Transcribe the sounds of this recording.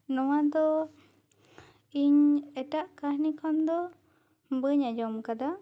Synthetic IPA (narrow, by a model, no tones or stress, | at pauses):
nɔwad̪ɔ | iɲeʈaʔkahnikʰɔnd̪ɔ | mbəɲad͡ʒɔmkad̪a